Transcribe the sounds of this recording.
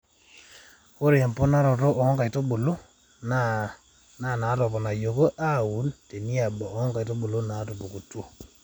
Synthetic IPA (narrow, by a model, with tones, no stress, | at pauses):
ko˦ɾe˨mpo˦na˦ɾɔ˨to˦ʔɔ˨˦ŋɡa˨i˨to˦ɓo˨lo˦ | na˨ | na˨na˨˦tɔ˨pɔ˨na˨jo˨ko˦ʔa˦wu˨˦nte˨ni˦a˨bɔ˨ʔŋɡa˨i˨to˦ɓo˨lo˦na˨˦to˨po˨ku˨two˦˨